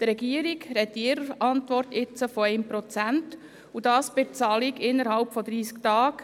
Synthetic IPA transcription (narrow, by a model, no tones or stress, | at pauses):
d̪ɾɛɡiəɾiɡɾɛt̪ɪɾəɑntʋɔɾtɪt͡səfɔɛɪmpɾɔt͡sænt | ud̥ɑːsb̥ɪt͡sɑːliɡɪnːəɾhɑlpfɔd̪ɾiːsktɑːk